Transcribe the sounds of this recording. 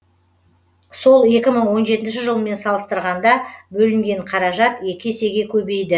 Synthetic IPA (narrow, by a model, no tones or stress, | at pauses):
so̞lˠe̞kʲɪməɴwo̞nʒe̞t̪ɪnʃɪʒəlˠəme̞nsɑlˠəst̪əɾʁɑnd̪ɑbɵlɪŋɡʲe̞ɴqʰɑɾɑʒɑt̪e̞kʲɪese̞ɡʲe̞kʲʰɵbe̞jd̪ɪ